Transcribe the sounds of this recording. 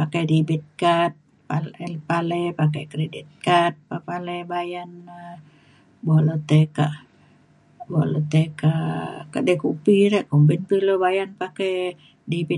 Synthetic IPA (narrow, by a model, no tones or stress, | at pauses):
pakɛjdibit̪̚kat̪̚ | palpalɛpakɛkɾedit̪̚kat̪̚papalɛbajana | bolot̪ɛkaʔ | bolɔt̪ɛkakaʔdɛkupiɾɛʔkombɛnt̪ilobajanpakɛj | dibi